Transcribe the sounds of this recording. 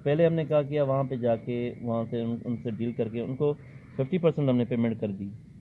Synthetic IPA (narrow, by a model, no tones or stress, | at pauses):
pɛɦleɦɐmnekɐɦak̬ijaʋɐɦãped͡ʒaːkeʋɐɦãseʊnseɖiːlkɐɾkeʊnko | fʰɪfʈipɐɾsə̃ɳʈɦɐmnepeːmɛ̃ɳʈ̚kɐɾd̪iː